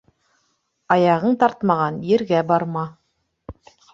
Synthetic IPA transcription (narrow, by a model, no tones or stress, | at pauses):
ɑjɑʁɤɴt̪ɑɾt̪mɑʁɑnjɘ̆ɾɡæbɑɾmɑ